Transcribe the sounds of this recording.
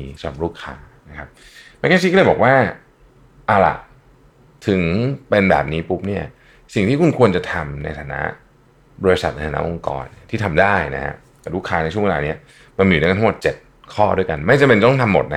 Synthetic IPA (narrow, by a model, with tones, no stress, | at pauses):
sa˧a̰˨˩p̚ɾuː˥˩kʰaː˧ | na˦˥kʰa˦˥p̚ | ma˧˥kaː˥˩t͡ɕʰi˦˥kːlɤː˧jbɔː˨˩k̚waː˥˩ | ʔa˧˩la̰˨˩ʔ | t̪ʰɯ˨˩˦ŋpe˧nbɛ̰ː˨˩p̚niː˦˥pu˦˥p̚ni˥˩ɐ | si˨˩ŋt̪ʰiː˥˩ku˧nkʰu˧ənt͡ɕa˨˩t̪ʰa˧mna̰˧jt̪ʰaː˨˧˦na̰˦˥ | bɔː˧ɾi˧sa̰˨˩na˧t̪ʰaː˨˩na̰˦˥ʔo˧ŋkɔ̰ː˧nt̪ʰiː˥˩t̪ʰa˧mdaː˥˩jna̰˦˥kʰa̰˦˥ʔ | t̪ɛː˨˩ɾuː˥˩kʰaː˧na˧jt͡ɕʰu˥˩ə˨we˧laː˧ni˦˥ɐ | ma˧nmː˧˨˥t̪ʰmo˨˩t̪̚t͡ɕe˨˩t̪̚ | kʰɔː˥˩du˥˩əjka˧nma˥˩jt͡ɕa˨˩pe˧nt̪ɔ˥˩ŋt̪ʰa˧mːo˨˩t̪̚na˦